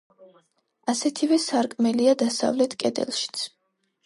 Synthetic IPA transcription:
asɛt̪ʰivɛsaɾkʼmɛliad̪asa̰vlɛt̪ʰkʼɛd̪ɛ̰lˠʃi̥t̪sʰ

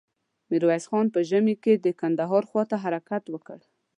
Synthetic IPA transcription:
miɾwasxɑnpəʒəmiked̪əkand̪aɦɑɾxwɑt̪aɦaɾakat̪wəkəɽ

